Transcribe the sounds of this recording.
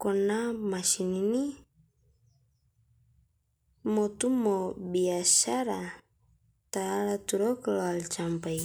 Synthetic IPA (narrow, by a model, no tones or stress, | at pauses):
kɔnamaʃinini | mɔt̪umɔbiaʃaɾa | t̪aalat̪uɾɔkloalt͡ʃampaj